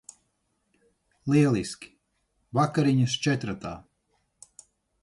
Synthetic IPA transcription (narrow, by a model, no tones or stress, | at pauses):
lˠiɛlˠiskʲi̥ | vakaɾiɲɐst͡ʃɛt̪ɾat̪a̰ː